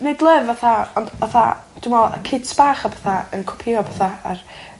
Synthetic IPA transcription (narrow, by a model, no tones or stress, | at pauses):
nedlˠəvaθaɔndaθa̰ | d̥umɔlˠa̰kʰɪdsb̥aːχabaθaənkʰɔ̥pʰiɔpʰaθaar